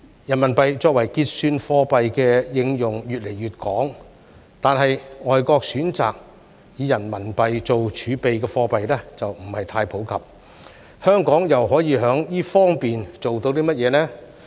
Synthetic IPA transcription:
jɐ˨˩nmɐ˨˩npɐ˨jt͡sɔː˧k̚wɐ˨˩jkiː˧t̚syː˧nfɔː˧pɐ˨jkɛː˧jɪ˨˧ŋjʊ˨ŋjyː˨t̚le˨˩jyː˨t̚kɔː˨˥ŋ | t̪aː˨nɦɐ˨jŋɔː˨jkɔː˧k̚syː˨˥nt͡sa̰ː˨k̚ | jiː˨˧jɐ˨˩nmɐ˨˩npɐ˨jt͡so˨wt͡ʃʰyː˨˧pe˨jkɛː˧fɔː˧pɐ˨jlɛː˥t͡sɐ˨wm̩˨˩hɐ˨jt̪ʰaː˧jpʰo˨˥wkʰɐ˨p̚ | hœː˥ŋkɔː˨˥ŋjɐ˨wɦɔː˨˥jiː˨˧ɦœː˨˥ŋjiː˥fɔː˥ŋpiː˨nt͡so˨wt̪o˧wt̪iː˥mɐ˥t̚jɛː˨˧nɛː˥

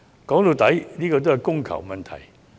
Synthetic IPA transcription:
kɔ˨˥ŋlu˨˧˩t̪a˨˥jli˥kɔ˧t̪o˥ha˨˧jkʊ˥˩ŋkʰa̰˨˩wmɐ˨˧nt̪ʰa̰˨˩˦j

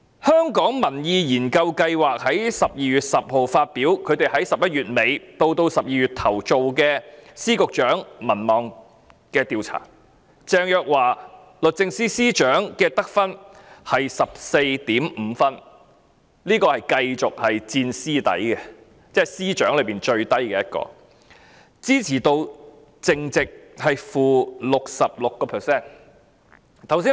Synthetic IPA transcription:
hœː˥ŋkɔː˨˥ŋmɐ˨˩njiː˨˧jiː˨˩nkɐ˧wkɐ˧jwaː˨k̚hɐ˨˥jsɐ˨p̚jiː˨ɥyː˨t̚sɐ˨p̚ho˨wfaː˧t̚piː˨˥wkʰɵ˨˧ɥt̪e˨˩jɦɐ˨˥jsɐ˨p̚jɐ˥t̚ɥyː˨t̚me˨˧jt̪o˧wt̪o˧wsɐ˨p̚jiː˨jyː˨t̚t̪ʰɐ˨˩wt͡so˨wkɛː˧siː˥kʊ˨k̚t͡ʃœː˨˥ŋmɐ˨˩nmɔː˨ŋ | kɛː˧t̪iː˨˧wt͡sʰa̰ː˨˩ | t͡sɛː˧ŋjœː˨k̚waː˨˩ | lɵ˨t̚t͡sɪ˧ŋsiː˥siː˥t͡ʃœː˨˥ŋkɛː˧t̪ɐ˥k̚fɐ˥nhɐ˨jsɐ˨p̚se˧jt̪iː˨˥mm̩ː˨˧fɐ˥n | liː˥kɔː˧hɐ˨jkɐ˧jt͡sʊ˨k̚hɐ˨jt͡siː˧nsiː˥t̪ɐ̰˨˥jkɛ˧ | t͡sɛː˥ɐ˨˩jsiː˥t͡ʃœː˨˥ŋlɵ˨˧ɥpiː˨nt͡ʃɵ˧ɥt̪ɐ˥jkɛː˧jɐ˥t̚kɔ̰ː˧ | t͡siː˥t͡sʰiː˨˩t̪o˧w | t͡sɪ˧ŋt͡sɪ˨k̚hɐ˨jfuː˨lʊ˨k̚sɐ˨p̚lʊ˨kːɔː˧pʰɛ˨˩sɛː˥n | t̪ʰɐ˨˩wsiː˥

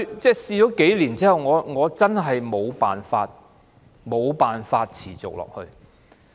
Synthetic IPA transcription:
t͡sɛː˥˧siː˧t͡ʃɔː˨˥ke˨˥jliː˨˩nt͡si˥hɐ˨˩wŋɔː˨˧ŋɔː˨˧t͡sɐ˥nɦɐ˨jmo˨˧wpa̰ː˨nfa̰ː˧t̚ | mo˨˧wpaː˨nfaː˧t̚t͡sʰiː˨˩t͡so˨k̚lɔ̰ː˨k̚hɵ˧ɥ

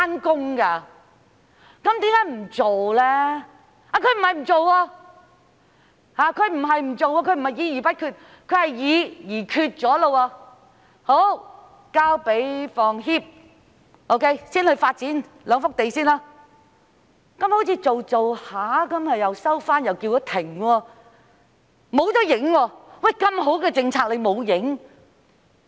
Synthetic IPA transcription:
aː˥nkʊ˥ŋkaː˧ | kɐ˨˥mt̪iː˨˥mkaː˨˥jm̩˨˩t͡so˨wlɛː˥ | aː˧kʰɵ˨˧ɥm̩˨˩hɐ˨jm̩˨˩t͡so˨wɔː˧ | haː˨˧kʰɵ˨˧ɥm̩˨˩ɦɐ˨jm̩˨˩t͡so˨wɔː˧kʰɵ˧ɥm̩˨˩hɐ˨jiː˨˧jiː˨˩pɐ˥t̚kʰyː˧t̚ | kʰɵ˨˧ɥhɐ˨jjiː˨˧˥jiː˨˩kʰyː˧t̚t͡sɔː˨˥lo˧waː˧ | ho˨˥w | kaː˥wpe˨˥jfɔː˨ŋɦiː˥p̚ | ʔo˧˥wkʰe˥jsiː˥nhɵ˧ɥfaː˧t̚t͡siː˨˥n | lœː˨˧ŋfʊ˥k̚t̪e˨jsiː˥naː˥ | kɐ˨˥mho˨˥t͡sʰiː˧t͡so˨wt͡so˨whaː˨˥kɐ˨˥mhɐ˨jɐ˨wsɐ˥wfaː˥njɐ˨wkiː˧wjɔ˨˦˥t̪ʰɪ˨˩ŋwɔː˧ | mo˨˧wt͡sɔː˨˥jɪ˨˥ŋwɔː˧wa˥˩jkɐ˧mɦo˨˥wkɛː˧t͡sɪ˧ŋt͡sʰaː˧k̚le˨˧jmo˨˧wjɪ˨˥ŋ

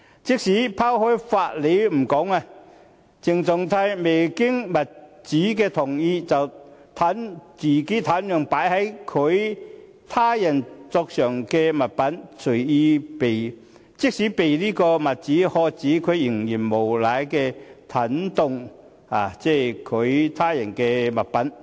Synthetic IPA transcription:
t͡sɪ˥k̚siː˨˥pʰaː˥whɔː˥jfaː˧t̚le˨˥jm̩˨˩kɔː˨˥ŋa˧ | t͡sɪ˨ŋt͡sʊ˨˩ŋt̪ʰaː˧jme˨˩jkɪ˥ŋmɐ˨˩t̚t͡siː˨˥kɛː˧t̪ʰʊ˨˩ŋjiː˧t͡sɐ˨wt̪ʰaː˨˥nt͡siː˨˩ke˨˥t̪ʰaː˨˥njœː˨˩ŋpaː˨˥jhɐ˨˥jkʰɵ˨˧ɥ | t̪ʰaː˥jɐ˨˩nt͡sɔː˧k̚sœː˨˩ŋkɛː˧mɐ˨t̚pɐ˨˥nsʰɵ˨˩ɥiː˧pe˨˩j | t͡sɪ˥k̚siː˨˥pe˨˩jliː˥kɔː˧mɐ˨t̚t͡siː˨˥hɔː˧t͡siː˨˥kʰɵ˨˧ɥjɪ˨˩ŋjiː˨˩nmo˨˩wlaː˨˥jkɛ˧t̪ʰɐ˨˥nt̪ʊ˨˧ŋ | haː˨˩t͡sɛː˥˩kʰɵ˨˧ɥt̪ʰaː˥jɐ˨˩nkɛː˧mɐ˨˩t̚pɐ˨˥n

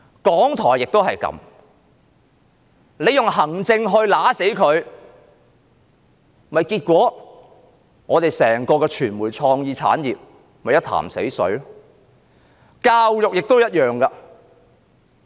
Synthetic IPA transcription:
kɔː˨˥ŋt̪ʰɔː˨˩jɪ˨k̚t̪o˥whɐ˨jkɐ̰˧˥m | le˨˧jʊ˨ŋɦɐ˨˩ŋt͡sɪ˧ŋɦɵ˧ɥlaː˨˥se˨˥jkʰɵ˨˧ɥ | mɐ˨jkiː˧t̚kʷɔː˨˥ | ŋɔː˨˧t̪e˨jsɛː˨˩ŋkɔː˧kɛː˧t͡ʃʰyː˨˩nmuː˨˩jt͡sʰɔː˧ŋjiː˧t͡sʰa̰ː˨˥njiː˨p̚ | mɐ˨jɐ˥t̪ʰa̰ː˨˩msḛ˨˥jsɵ̰˨˥ɥ | kaː˧wjʊ˨k̚jɪ˨k̚t̪o˥wjɐ˥t̚jœː˨˩ŋkɐ˧

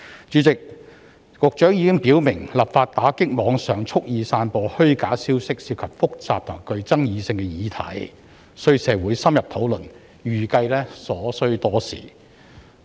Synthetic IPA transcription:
t͡ʃyː˨˧˥t͡sɪ˨k̚ | kʊ˨k̚t͡ʃœː˨˥ŋjiː˨˥kɪ˥ŋpiː˨˥wmɪ˨˩ŋlaː˨p̚faː˧t̚t̪aː˨˥kɪ˥k̚mɔː˨˧ŋsœː˨˩ŋt͡sʰʊ˥k̚jiː˨˧saː˧npɔː˧hɵ˥ɥkaː˨˥siː˥wsɪ˥k̚siː˧p̚kʰɐ˨p̚fʊ˥k̚t͡saː˨p̚t̪ʰʊ˨a˨˩kɵ˨˧ɥt͡sɐ˥ŋjiː˨˧sɪ˧ŋkɛ˧jiː˨˥t̪ʰɐ̰˨˥j | sɵ˥ɥsɛː˨˧wuː˨˥jsɐ˥mjɐ˨p̚t̪ʰo˨˥wlɵ˨˩n | jyː˨kɐ˧jlɛː˥sɔː˨˥sɵ˥ɥt̪ɔː˥sḭː˨˩

